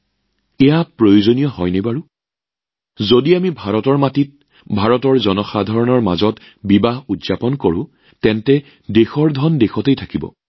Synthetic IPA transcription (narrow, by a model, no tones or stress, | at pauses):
ɛjapɹojozonijɔhɔjnebaɹʊ | zodiamibʱaɹɔtɔɹmatit̚ | bʱaɹɔtɔɹzɔnɔxadʱɔɹɔnɔɹma̰zɔt | bibaɦudzapɔnkoɹʊ̰̃ | tɛntɛ | dexɔɹdʱɔndexɔtejtʰakibɔ̰